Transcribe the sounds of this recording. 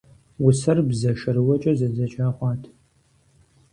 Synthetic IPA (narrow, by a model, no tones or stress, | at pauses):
wʊsɐrbzɐʃɐɾɨwɐt͡ʃʼɐzɐd͡zɐt͡ʃʼaːχʷɑːtʰ